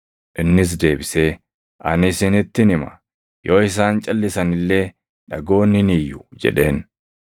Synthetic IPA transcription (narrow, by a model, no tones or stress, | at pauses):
ʔɪnːɪs̬d̪e̞ːbɪse̞ː | ʔɐnɪsɪnɪt̪ːɪnɪmɐ̥̰ | joːɪs̬aːnt͡ʃʼɐlːɪsɐnɪlːe̞ː | ᶑɐɡo̞ːnɪnijːʊd͡ʒɛ̰ᶑe̞ːn